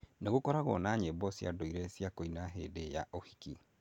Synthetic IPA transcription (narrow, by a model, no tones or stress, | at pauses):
neɣokɔɾaɣɔ̰naːɲebɔsja̰doiɾɛsjakoinaɦedeja̰ʔohi̥ki